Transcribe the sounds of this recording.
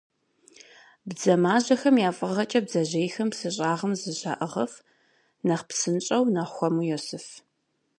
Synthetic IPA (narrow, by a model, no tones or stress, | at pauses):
bzɐmaːʑɐxɐmjaːfʼɨʁɐt͡ʃʼɐbzɐʑejxɐmpsɨɕʼaːʁɐmzɨɕa̰ʔəʁɐf | nɐχpsɨnt͡ʃʼɐwnɐxʷɔmujosɨf